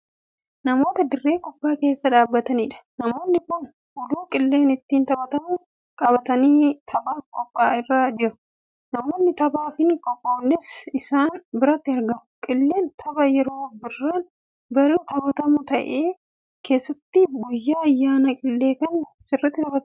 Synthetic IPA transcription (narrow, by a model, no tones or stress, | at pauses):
nɐmo̞ːt̪ɐd̪ɪrːe̞ːkʼɔpʼːaːke̞ːsːɐᶑaːbːɐt̪ɐniːᶑɐ̥nɐmo̞ːnːɪkʊn | ʔʊluːkʼɪlːe̞ːnɪt̪ːiːnt̪ɐbɐt̪ɐmʊ | kʼɐbɐt̪ɐniːt̪ʰɐbaːfkʼɔpʼːaːɪrːaːd͡ʒɪɾʊ̥ | nɐmo̞ːnːɪt̪ɐbaːfɪnkʼɔpʼːoːnːɪsɪsaːnbɪɾɐt̪ːɪɐɾɡɐmʊ̥kʼɪlːe̞ːnt̪ʰɐbɐjɛɾo̞ːbɪrːaːn | bɐɾiːt̪ɐbɐt̪ɐmʊt̪ɐʔeː | kʰe̞ːsːɐt̪ːɪɡʊjːaːjːaːnɐkʼɪlːe̞ːkɐnsɪrːɪt̪ːɪt̪ɐbɐt̪